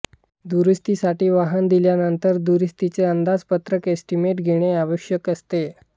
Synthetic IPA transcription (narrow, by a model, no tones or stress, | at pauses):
d̪uɾist̪isaʈiːʋaɦənd̪iljanənt̪əɾd̪uɾist̪it͡seənd̪ad͡zpət̪ɾəkesʈimeʈɡʱeɽ̃eaʋəʂjəkəst̪e